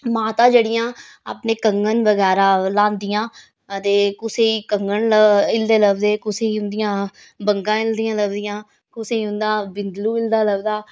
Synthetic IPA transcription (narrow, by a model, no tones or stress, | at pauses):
maːt̪ãːd͡ʒeːɽɪjãː | a̰pneːkəŋɡənʋəɡɛːɾaːlãːnd̪ɪjãː | t̪eːkʊseːiːkəŋɡənləɪld̪eːləbd̪eːkʊseːiːɦʊ̃nd̪ɪjãː | bəŋɡãːɪld̪ijãːləbd̪ɪjãː | kʊseːɦʊ̃nd̪aːbɪnd̪luːɪld̪aːləbd̪aː